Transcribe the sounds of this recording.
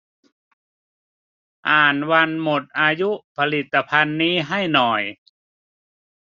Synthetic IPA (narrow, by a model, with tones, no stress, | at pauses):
ʔaː˨˩nwa˧nmo˨˩t̪̚ʔaː˧ju˦˥ʔpʰa˧li˨˩t̪ːa˧pʰa˧nːiː˦˥ɦa˥˩jnɔ˨˩j